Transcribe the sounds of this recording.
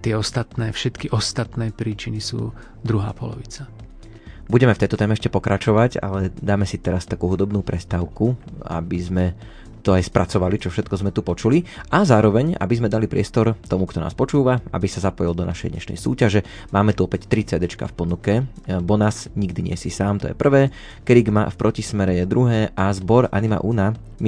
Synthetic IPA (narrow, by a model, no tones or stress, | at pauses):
t̪ɪɛɔst̪at̪nɛːfʃɛt̪kiʔɔst̪at̪nɛːpɾiːt͡ʃinisṵː | d̪ɾuɦa̰ːpɔ̰lɔ̰ʋit͡sa | buɟɛmɛft̪ɛjt̪ɔt̪ɛːmɛɛʃcɛpɔkɾat͡ʃɔʋaɟa̰lɛd̪aːmɛsit̪ɛɾast̪akuːɦud̪ɔbnuːpɾɛst̪aːʊkua̰bizmɛ | t̪ɔajspɾʔat͡sɔʋalit͡ʃɔfʃɛt̪̚kɔzmɛt̪upɔt͡ʃuliazaːɾɔʋɛɲa̰bizmɛd̪alipɾɪɛst̪ɔɾt̪ɔmukt̪ɔna̰ːspɔt͡ʃuːʋaa̰bisazapɔjild̪ɔna̰ʃɛ̰jd̪ɲɛ̰ʃnɛ̰jsṵːcaʒɛ | maːmɛt̪uɔpɛct̪ɾit͡sɛd̪ɛt͡ʃka̰fpɔnukɛbɔnasɲiɡd̪iɲɪɛsisaːmt̪ɔ̰jɛ̰pr̩ʋɛː | kɾiɡma̰fpɾʔɔcismɛɾɛjɛd̪ɾuɦɛːʔazbɔɾa̰nima̰ʔuna | m